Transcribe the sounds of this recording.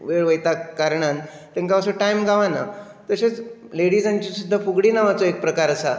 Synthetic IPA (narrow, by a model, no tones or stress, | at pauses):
ʋeɭʋəjt̪akaɾɳant̪ẽŋkaəsoʈajmɡʱaʋana̰ | t̪əɕat͡sleɽiːd͡zãɲt͡ɕisud̪ʱːafuɡɽiːnaʋat͡soek̚pɾəkaɾəsa